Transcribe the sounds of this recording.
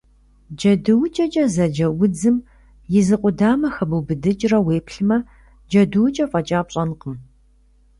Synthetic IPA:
d͡ʒɐdɨwt͡ʃʼɐt͡ʃʼɐzɐd͡ʒɐwʊd͡zɨm | jɪzɨqʷʊdaːmɐxɐbɨwbɨdɨt͡ʃʼrɐweːpɬɨmɐ | d͡ʒɐdɨwt͡ʃʼɐfʼɐt͡ʃʼaːpɕʼɐnqəm

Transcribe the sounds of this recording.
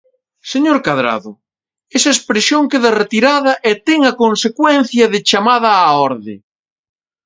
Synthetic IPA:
seɲoɾkaðɾa̰ðʊ | esɐespɾesjoŋkeðɐret̪iɾaðɐʔet̪ɛŋɐkonsekwɛn̟θjɐðɪt͡ʃamaðɐːɔɾðɪ̰

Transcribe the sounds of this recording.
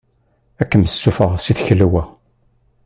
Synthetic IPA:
ækːəməsːufəʁsiθçəlːwæ

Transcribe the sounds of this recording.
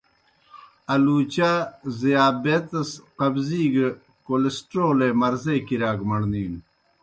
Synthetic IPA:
ɐluːt͡ɕaːzijaːbet̪ɐsqɐbziːɡe | kolesʈɾoːlemɐɾzekiɾaːɡmɐɽniːn

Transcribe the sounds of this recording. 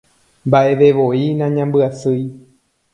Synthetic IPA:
mbaʔeʋeʋoinãɲãmbɨasɨj

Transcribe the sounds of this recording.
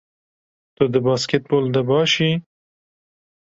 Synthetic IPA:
t̪əd̪əbɑskɪt̪̚bold̪abɑʃi

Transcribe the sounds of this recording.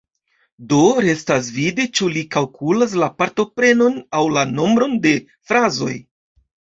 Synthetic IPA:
do̞ɾe̞stas̬videt͡ʃulikalkulas̬lapaɾto̞pɾe̞no̞nawlano̞mbɾo̞nde̞ | fɾazo̞̰j

